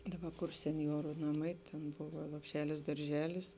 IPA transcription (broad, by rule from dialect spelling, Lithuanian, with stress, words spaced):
ˈdɑːˌbɐ kʊr sʲɛnʲˈjoːrʊ nɐˈmɐɪ ˈtʲɛn ˈboːʋɐ lˠoːpʲˈʃʲæːlʲɪs dɐrʲˈʒʲæːlʲɪs